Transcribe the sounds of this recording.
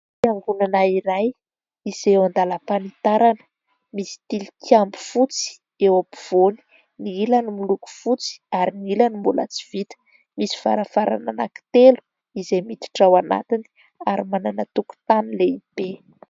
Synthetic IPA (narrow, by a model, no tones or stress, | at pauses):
iaŋɡunanaiɾaj | iz̥ewand̪alapanit̪aɾanə̥ | misi̥t̪ili̥kiambu̥fut͡si̥ | ewapi̥v̥oni̥ | niilanimuluku̥fut͡si̥aɾiniilanimbula̰t͡si̥v̥it̪ə̥ | misi̥va̰ɾafaɾa̰nana̰ki̥t̪elu̥ | izemit̪i̥ʈ͡ʂawana̰t̪ini̥ | aɾimananat̪uku̥t̪anileib̥e